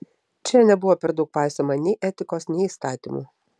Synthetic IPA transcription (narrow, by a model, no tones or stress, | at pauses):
t͡ʃʲɛnʲɛbʊʋoːpʲɛɾd̪ɒʊk̚pɑˑɪsʲomɐnʲɛɪʔɛt̪ʲɪkoːsnʲɛɪiːst̪ɑːt̪ʲḭmṵː